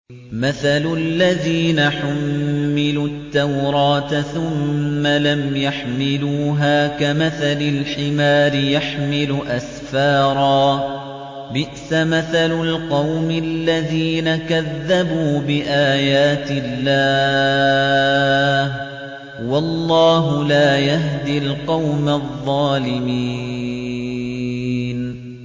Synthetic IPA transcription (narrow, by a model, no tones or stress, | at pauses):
maθalʊlːaðiːnaħamːɪlut̪ːawɾˤɑːt̪θʊmːalamjaħmɪluːɦaːkamaθalɪlħɪmaːɾɪjaħmɪlʊʔasfɑːɾˤɑː | bɪʔsamaθalʊlqɑwmɪlːaðiːnakaðːabuːbɪʔaːjaːt̪ɪlːaː | h | wɑlˤːɑːɦʊlaːjaɦd̪ilqɑwmaðˤːɑːlɪmiː | n